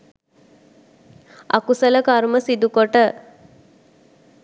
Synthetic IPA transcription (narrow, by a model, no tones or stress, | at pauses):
a̰kusələkaɾməsid̪ukoʈə